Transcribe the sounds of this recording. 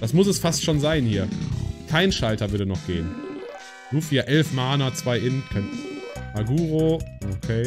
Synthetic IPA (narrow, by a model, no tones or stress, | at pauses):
d̥asmʊs̬ɛsfastʃoːnzaɪnhiːɐkʰaɪnʃaltɐvʏɐdənɔχɡ̥eːən | d̥uːfiːaʔɛlfmaːnɐt͡sv̥aɪʔɪnkʰaɪnʔaɡuːʁoʔokʰeː